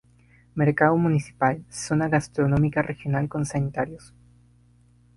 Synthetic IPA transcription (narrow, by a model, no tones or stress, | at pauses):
meɾkaðomunisi̥palsonaɣast̪ɾo̞no̞mikarʔexjo̞nalko̞nsanit̪aɾjos